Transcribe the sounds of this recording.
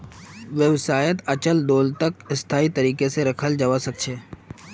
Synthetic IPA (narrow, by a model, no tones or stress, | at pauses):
ʋjəwsaːjət̪ɐt͡ʃəld̪oːlt̪ɐkɪst̪ʰaːit̪ɐɾiːkeseɾɐkʰəld͡ʒəʋasɐk̚t͡ʃʰeː